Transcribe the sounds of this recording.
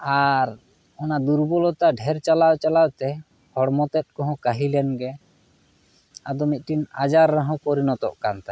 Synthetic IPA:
aɾ | ɔnad̪uɾbɔlɔt̪aɖʱɛɾt͡ʃalawt͡ʃalawt̪ɛ | hɔɽmɔt̪ɛt̪̚kɔɦɔ̃kaɦilɛnɡɛ | ad̪ɔmit̪̚ˀʈinad͡ʒaɾːaɦɔ̃kɔɾinɔt̪ɔ̰ʔkant̪a

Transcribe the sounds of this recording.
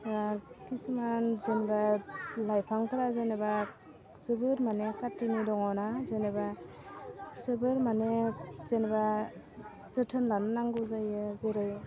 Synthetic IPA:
akisɯmanzenbalajpʰaŋtʰaɾazeneba | zɯbɯɾmanekatːinidɔŋɔnazeneba | zɯbɯɾmanezeneba | zɯtʰɯnlannaŋɡɯzajɯzeɾɯj

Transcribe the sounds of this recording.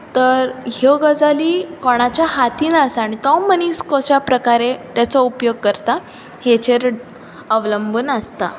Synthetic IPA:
t̪əɾɦoɡəd͡zaliːkoɽ̃at͡ɕjaɦat̪iːnəsaɽ̃it̪ɔmːəniːskɔsjapɾəkaɾet̪jat͡sɔupjoɡ̚kəɾt̪a | het͡ɕeɾ | əʋləmbuːnəst̪a̰

